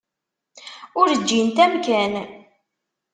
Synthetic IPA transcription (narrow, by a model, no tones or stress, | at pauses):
ʊɾəd͡ʒːint̪æmkæn